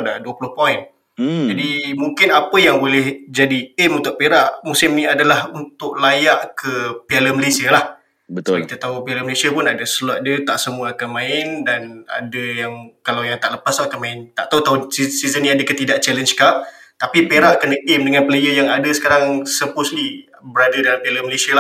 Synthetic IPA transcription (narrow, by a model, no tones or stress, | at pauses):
daʔduəpulʊhpɔɪn | d͡ʒadimuŋkɪnapəjaŋbolɛhd͡ʒadiɛmunt̪ʊʔ̚peɾaʔmusɪmniadalahunt̪ʊʔ̚lajaʔkʰəpialəməlesialah | bəskit̪at̪aupialəməlesiapʊnadəsəlwaʔ̪̚dət̪aʔsəmuəakanmãɪndana̰dəjaŋkalawjaŋt̪aʔləpaslakanmãɪnt̪a̰ʔt̪aut̪auisizənːiadəkət̪idaʔt͡ʃɛlənskaʔ̚ | t̪apipeɾaʔkənəʔɛmdəŋanplejəjaŋadəsə̥kaɾaŋsəpʊsli | bəɾadadalampialəməlesiala